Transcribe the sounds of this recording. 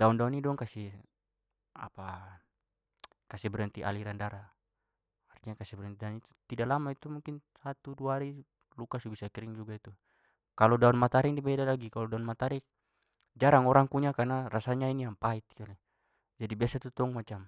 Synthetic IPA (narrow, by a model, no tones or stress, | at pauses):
daundaɔnidɔŋkasi | a̰pa | kasibɛɾant̪iʔaliɾandaɾa | arɲakasibɛɾɛnt̪idanit̪u̥t̪idalamait̪umuŋkinsat̪uduaɾi | lukasubisakiɾiŋd͡ʒuɡait̪u | kalɔdaɔnmat̪aɾiŋdibɛdalaɡikalɔdaɔnmat̪aɾi | d͡ʒaɾaŋɔɾaŋkuɲakarnarasaɲainijaŋpait̪̚i̥kali | d͡ʒadibiasat̪ut̪ɔŋmat͡ʃam